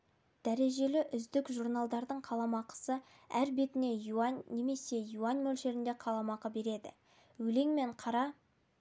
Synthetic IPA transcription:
d̪̥æɾe̞ʒe̞lɪʔʏzd̪ɪkʒuɾnɑlˠd̪ɑɾd̪əɴqʰɑlˠɑmɑqə̥sə | æɾbe̞t̪ɪne̞juɑnnːe̞me̞se̞juanmɵlʃe̞ɾɪnd̪e̞qʰɑlˠɑmɑqəbe̞ɾe̞d̪ɪ̰ | wɵle̞ŋme̞ɴqʰɑɾɑ

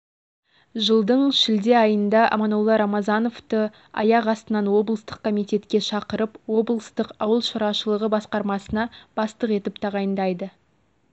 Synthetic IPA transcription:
ʒəlˠd̪əɴʃɪld̪e̞ɑjənd̪ɑʔɑ̰mɑnolˠːɑɾɑmɑzɑno̞ft̪ə | ɑ̰jɑʁɑst̪ənɑnwo̞blˠəst̪əq̚kʰo̞mijt̪e̞t̪kʲe̞ʃɑqəɾəpwo̞blˠəst̪əqɑwəlˠʃəɾɑʃəlˠəʁəbɑsqɑɾmɑsənɑb̥ɑst̪əqe̞t̪ɪpt̪ʰɑʁɑjənd̪ɑjd̪ə

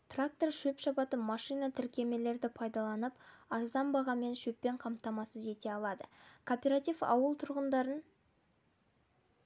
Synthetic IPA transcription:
t̪rak̚t̪o̞rʃɵpʃɑpɑt̪ənmɑʃijnat̪ʰɪɾkʲe̞me̞le̞ɾd̪ɪpʰɑjd̪ɑlˠɑnəpɑɾzɑmbɑʁɑme̞nʃɵpːe̞ɴqʰɑmt̪ɑmɑsəze̞t̪e̞ɑlˠɑd̪əkʰopʲeɾat̪ijfɑ̰wəlˠt̪ʰʊɾʁənd̪ɑɾən

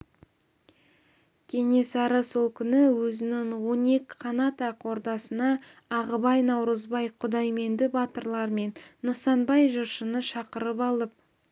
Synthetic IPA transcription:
kʲʰe̞ŋe̞sɑɾəso̞lˠkʲʰʏnɪwɵzɪnɪŋwo̞ne̞kʲqʰɑnɑt̪ɑqʰo̞ɾd̪ɑsənɑː | ʁəbɑjnɑwɾəzbɑjqʰʊd̪ɑjme̞nd̪ɪbɑt̪əɾlˠɑɾme̞nːəsɑnbɑjʒʊɾʃənəʃɑqəɾəpɑlˠəp̚

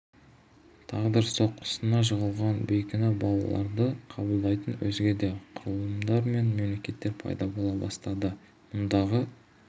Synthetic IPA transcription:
t̪ʰɑʁd̪əɾso̞qə̥sənɑʒəʁəlˠʁɑnbɵjkʲɪnɑbɑlˠɑ̰lˠɑ̰ɾd̪əqʰɑbəlˠd̪ɑjt̪ənwɵ̰zɡʲe̞d̪e̞qʰʊɾəlˠəmd̪ɑɾme̞nme̞mle̞kʲe̞t̪ːe̞ɾpʰɑ̰jd̪ɑbolˠɑbɑ̰st̪ɑd̪ə | mʊnd̪ɑʁə

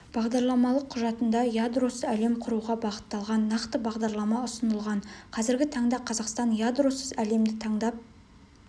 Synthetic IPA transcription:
b̥ɑʁd̪ɑɾlˠɑmɑlˠəqʰːʊʒɑt̪ənd̪ɑjad̪rosæle̞mqʰʊɾuʁɑbɑqə̥t̪ːɑlˠʁɑnːɑqt̪əbɑʁd̪ɑɾlˠɑmɑʊsənəlˠʁɑɴqʰɑzɪɾɡʲɪt̪ʰɑɴd̪ɑqʰɑzɑqst̪ɑnjad̪rosəzæle̞md̪ɪt̪ʰɑɴd̪ɑp̚

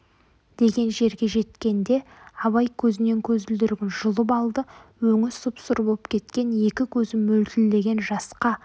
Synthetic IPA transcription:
d̪̥e̞ɡʲe̞nʒe̞ɾɡʲe̞ʒe̞t̪kʲe̞nd̪e̞ | ɑβɑjkʲʰɵzɪne̞ŋkʲʰɵzɪld̪ɪɾɡʲɪnʒʊlˠəp̬ɑlˠd̪əwɵŋɪsʊpsʊɾbo̞lˠəpkʲʰe̞t̪kʲe̞ne̞kʲɪkʲʰɵzɪmɵlt̪ɪlːe̞ɡʲe̞nʒɑsqɑ

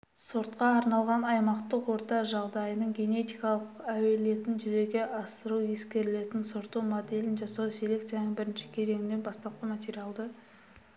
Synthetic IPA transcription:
soɾt̪qɑːɾnɑlˠʁɑnɑjmɑqt̪əqwo̞ɾt̪ɑʒɑʁd̪ɑjənəɴɡʲe̞ne̞t̪ijkɑlˠəqæwe̞le̞t̪ɪnʒʏze̞ɡʲe̞ʔɑsəɾuje̞skʲe̞ɾɪle̞t̪ɪnsoɾt̪umo̞d̪e̞lɪnʒɑsɑwsele̞kt̪janbɪɾɪnʃɪ̥kʲʰe̞ze̞ŋɪnd̪e̞nbɑst̪ɑp̚qəmat̪ʲeɾijɑlˠd̪ə

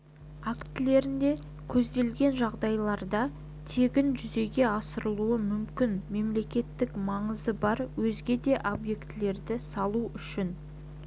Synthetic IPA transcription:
akt̪ɪle̞ɾɪnd̪e̞ | kʲʰɵzd̪e̞lɡʲe̞nʒɑʁd̪ɑjlˠɑɾd̪ɑ | t̪ʰe̞ɡʲɪnʒʏze̞ɡʲe̞ɑsəɾəlˠuəmʏmkʲɪnme̞mle̞kʲe̞t̪ːɪkmɑɴəzəbɑɾwɵzɡʲe̞d̪e̞ʔobje̞kt̪ɪle̞ɾd̪ɪsɑlˠuʏʃɪn

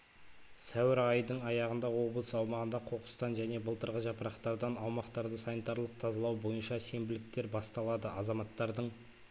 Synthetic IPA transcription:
sæwɪɾɑjd̪əɴɑjɑʁənd̪ɑwo̞bəlˠəsəɑwmɑʁənd̪ɑqʰo̞qə̥st̪ɑnʒæne̞bəlˠt̪əɾʁəʒɑpəɾɑqt̪ɑɾd̪ɑnɑwmɑqt̪ɑɾd̪əsɑnit̪ɑɾlˠəq̚t̪ʰɑzɑlˠɑwbo̞jənʃɑse̞mbɪlɪk̚t̪e̞ɾbɑst̪ɑlˠɑd̪əʔɑzɑmɑt̪ːɑɾd̪əɴ

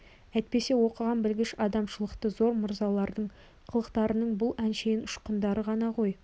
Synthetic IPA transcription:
æjt̪̚pe̞se̞wo̞qəʁɑnbɪlɡʲɪʃɑd̪ɑmʃəlˠəqt̪əzo̞ɾmʊɾzɑlˠɑɾd̪əɴ | qʰəlˠəqt̪ɑɾənəɴbʊlˠænʃejɪnʊʃqənd̪ɑɾəʁɑnɑʁoj

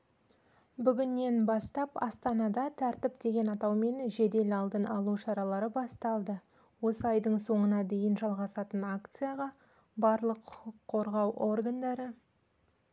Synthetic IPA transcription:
bʏɡʲɪnːe̞nbɑst̪ɑpɑ̰st̪ɑnɑd̪ɑt̪ʰæɾt̪ɪpd̪e̞ɡʲe̞nɑt̪ɑwme̞nʒe̞d̪e̞lɑlˠd̪ənɑlˠuʃɑɾɑlˠɑɾəbɑst̪ɑlˠd̪ə | wo̞səɑjd̪əɴso̞ɴənɑd̪e̞jɪnʒɑlˠʁɑsɑt̪ənak̚t̪sɨjaʁɑ | bɑɾlˠəqʰːʊqəqʰːo̞ɾʁɑwʔo̞rɡand̪ɑɾə

